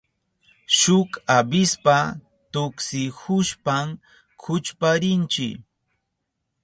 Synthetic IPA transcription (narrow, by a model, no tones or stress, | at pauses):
ʃʊkabɪspa | t̪ʊksɪhʊʃpam | kʰʊt͡ʃpaɾɪnt͡ʃɪ̰